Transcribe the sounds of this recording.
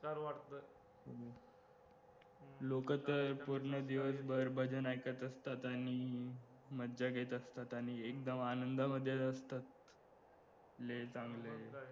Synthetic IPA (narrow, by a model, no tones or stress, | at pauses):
aɾʋaʈt̪ə | lokət̪əɾpuɾɳəd̪iʋəs̬bəɾbʱəd͡ʑənajkət̪əst̪at̪aɽ̃i | məd̪d͡ʑaɡʱet̪əst̪at̪añiek̚d̪əmanənd̪aməd̪ʱːjeəst̪at̪ | let͡sãŋɡlə